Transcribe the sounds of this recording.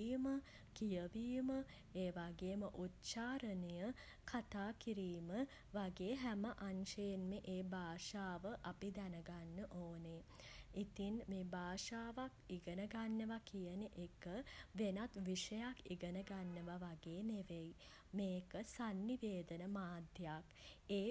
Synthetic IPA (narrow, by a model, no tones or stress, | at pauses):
imə | kijəʋiːmə | eːʋaɡeːməʔut̪ʃaːɾənəjə | kʰat̪aːkiɾiːmə | ʋaɡeːɦæməʔaɲʃəjenmeʔeːbaːʂaːʋəʔapid̪ænəɡanːəʔoːneit̪inmeːbaːʂaːʋakiɡənəɡanːəʋakijəneʔekəʋenat̪ʋiʂəjakiɡənəɡanːəʋaʋaɡeːneʋej | meːkəsanːiʋeːd̪ənəmaːd̪ʱjjak | eː